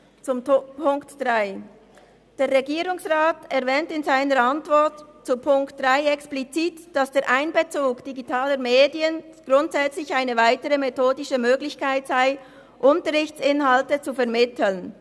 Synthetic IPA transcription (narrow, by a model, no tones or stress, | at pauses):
t͡sʊmpʰʊŋktd̥ʁaɪ | d̥eːʁːeɡiːʁʊŋsʁaːtɛʁvɛːntɪnzaɪnəɾɑntvɔʁtt͡supʰʊŋktd̥ʁaɪɛksplit͡siːtd̥ɑsd̥eːɾʔaɪnbət͡suːkd̥iɡitʰaːləɾmeːdiənɡ̥ʁʊntz̥ɛt͡slɪçaɪnəvaɪtəʁəmetʰoːdɪʃəmøːɡlɪçkʰaɪtz̥aɪ | ʔʊntəʁɪçtt͡sɪnɦɑltət͡sufɛʁmɪtʰl̩n